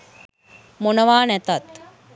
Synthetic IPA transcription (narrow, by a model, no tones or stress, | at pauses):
monəʋaːnɛt̪at̪